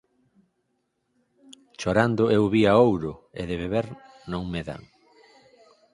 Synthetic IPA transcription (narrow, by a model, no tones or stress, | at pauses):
ʃoɾand̪ʊewβiaowɾʊḛðeβeβeɾ | nõŋmeða̰ŋ